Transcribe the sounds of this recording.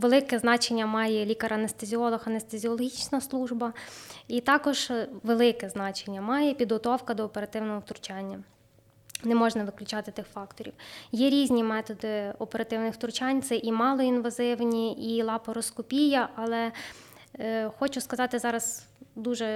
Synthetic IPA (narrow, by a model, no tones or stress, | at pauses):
ʋelˠɪkɛznɑt͡ʃenʲːɐmɑjɛlʲikɐɾɐnest̪ezʲiɔlˠɔxɐnest̪ezʲiɔlˠɔɦʲit͡ʃnɐslˠuʒbɐit̪ɑkɔʒ̥ʋelˠɪkɛznɑt͡ʃenʲːɐmɑjɛpʲid̪ɦɔt̪ɔwkɐd̪ɔːpeɾɐt̪ɪwnɔɦɔwt̪ɾʊt͡ʃɑnʲːɐ | nɛmɔʒnɐʋɪklʲʊt͡ʃɑt̪ɪt̪ɪxfɑkt̪ɔɾʲḭwjɛɾʲizʲnʲimɛt̪ɔd̪ɪɔpeɾɐt̪ɪwnɪxwt̪ɾʊt͡ʃɑnʲt̪sɛʔimɑlˠɔinʋɐzɪwnʲiilˠɑpɔɾɔskɔpʲijɐʔɐlˠɛ | xɔt͡ʃʊskɐzɑt̪ɪzɑɾɐzd̪uʒɛ